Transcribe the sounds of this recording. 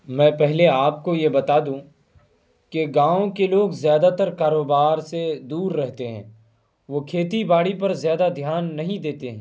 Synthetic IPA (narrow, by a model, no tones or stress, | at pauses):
mɛ̃ːpɛɦleaːp̚kojebɐt̪aːd̪ũ | keɡãːõkeloːɡzjaːd̪at̪ɐɾkaːɾoːbaːɾsed̪uːɾːɛɦt̪eɦɛ̰̃ː | ʋoːkʰeːt̪ibaːɽipɐɾzjaːd̪ad̪ʱjaːnːɐɦĩd̪eːt̪eɦɛ̃ː